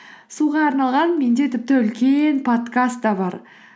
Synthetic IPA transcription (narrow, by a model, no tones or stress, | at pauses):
suʁɑɑɾnɑlˠʁɑnme̞nd̪e̞t̪ʰɪp̚t̪ɪʏlkʲe̞npʰo̞t̪kast̪ːɑbɑɾ